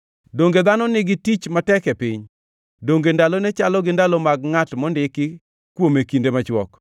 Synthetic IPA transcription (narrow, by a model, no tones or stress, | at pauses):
doŋɡed̪anɔnɪɡɪtit͡ʃmatɛkɛpɪɲ | doŋɡendalɔnɛt͡ʃalɔɡɪndalɔmaɡŋatmɔndɪkɪ | kwomekindemat͡ʃwɔk